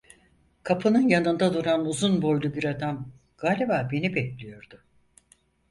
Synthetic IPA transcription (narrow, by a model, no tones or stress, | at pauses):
kʰapʰɯnɯnjanɯnd̪ad̪uɾanuzunbo̞jlʲˠubiɾad̪am | ɡ̥aːlʲebaːbe̞nibɛclʲijo̞ɾd̪̥ʊ